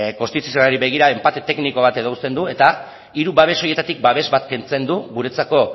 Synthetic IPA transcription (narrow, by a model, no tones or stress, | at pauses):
ko̞st̪it̪u̥sionaɾiβe̞ɣ̞iɾae̞mpat̪e̞t̪e̞kniko̞β̞at̪e̞ð̞owst̪e̞nd̪ue̞t̪a | iɾuβaβ̞e̞so̞je̞t̪at̪ik̚baβe̞zβat̪ke̞nt͡se̞nd̪uβuɾet͡sako̞